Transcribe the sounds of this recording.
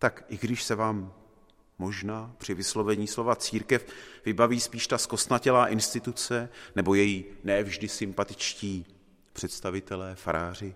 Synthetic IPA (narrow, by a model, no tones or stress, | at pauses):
t̪akʔɪɡdɪʃsɛvaːmː | o̞ʒnaːpr̝̥ɪvɪslo̞vɛɲiːslo̞vat͡siːɾkɛfvɪbaviːspiːʃt̪asko̞st̪nacɛlaːʔɪnst̪ɪt̪ut͡sɛnɛbo̞jɛjinɛːvʒdɪsɪmpat̪ɪ̥t͡ʃciː | pr̥ɛt̪st̪avɪt̪ɛlɛːfaɾaːr̝ɪ